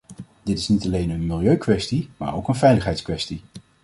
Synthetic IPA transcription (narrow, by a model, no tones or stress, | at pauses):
d̥ɪtɪsnitɑlejnənmɪlˠjøɥkʋɛstima̰ːɹo̰wkənvɛjləχɦɛjtskʋɛsti